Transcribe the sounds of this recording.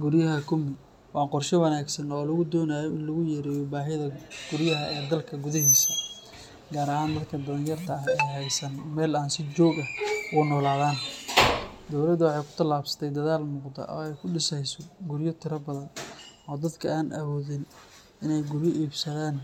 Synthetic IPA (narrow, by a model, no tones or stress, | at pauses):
ɡʊɾjɐɦɐkʰʊmɪ | wɑːqɔrʃɛwɐnaːɡsɐnɔːlɐɣʊd̪ɔːnaːjɔɪnlɐɣʊjɛːɾɛːjɔbaːɦɪðɐɡ̥ʊɾjɐɦɐʔɛːd̪ɐlkʰɐɡʊðɐɦiːsɐ | ɡaːɾɐɦaːnd̪ɐd̪kʰɐd̪ɐðɐnjɐrt̪ʰɐɦɛjɦɛjsɐnmɛːlaːnsɪt͡ʃɔːɡɐhʊnɔːlaːðaːn | d̪ɔwlɐd̪wɑħɑjkʰʊ̥t̪ʰɐlaːbsɐ̥t̪ʰɛjd̪ɐðaːlmʊːqd̪ɐ̰ʔɔ̰ːɛjkʰʊɖɪsɛjsɔɡʊɾjɔt̪ʰɪɾɐbɐðɐnɔːd̪ɐd̪kʰɐaːnʔɐ̰βɔːðɪn | ɪnɛjɡʊɾjɔʔiːbsɐðaːn